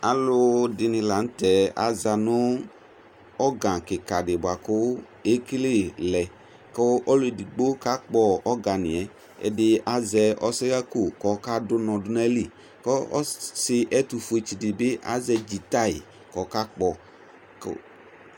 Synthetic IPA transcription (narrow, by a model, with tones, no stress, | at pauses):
a˨lʊ˦dɪ˨nɪ̃˨la˨n̩˦t̪ɛ˨a̰˨za˨nʊ˦ | ɔ˦ɡã˨kɪ˨ka˨dɪ˨bʊ˨a˨kʊ˦ | e˦ki˦le˦˨lɛ˨ | kɔ˦ʔɔ˦lʊ˦e˨di˨ɡ͡bo˦ka˦k͡pɔ˨ɔ˦ɡa˨nɪ̰˨ɛ˨ | ɛ̰˨dɪ˨ʔa˦zɛ˧ɔ˦sɪ˦ɣa˦ko˦˨kɔ˨˦ka˦dʊ˦nɔ̃˨dʊ˦nɛ˦li˨ | kɔ˦ɔ̰˦sɪ˦ʔɛ˦t̪u˨fu˨˦e˨t͡ʃi˨dɪ˨bɪ˦ʔa̰˦zɛ˧d͡ʒi˨t̪a˦ɪ˨ | kɔ˨ka˦k͡pɔ˨ | k